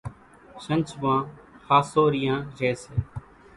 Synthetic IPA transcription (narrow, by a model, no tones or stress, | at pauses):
sənt͡ʃʋãːxaːsoːɾɪjãːd͡ʒeːseː